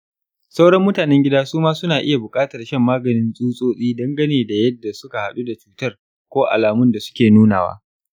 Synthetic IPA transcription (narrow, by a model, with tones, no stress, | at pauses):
sa˦wɽɐ˦mːʊ˦taː˨nɛ˦ŋɡʲɪ˦daː˦suː˦maː˦sʊ˦naː˨ʔɪ˦ja˨bʊ˨kʼaː˦tɐ˨rʃɐ˦mːaː˦ɡɐ˨nɪ˦nsʼuː˦sʼoː˦sʼiː˦dɐ˦ŋɡɐ˦neː˨da˨jɐ˦dːa˨sʊ˦ka˨ha˨ɗu˦da˨t͡ʃuː˦tɐ˦r | kʷoː˦ʔa̰˨laː˨mʊ˦nda˨sʊ̥˦kʲeː˨nuː˦naː˨wa̰ː˦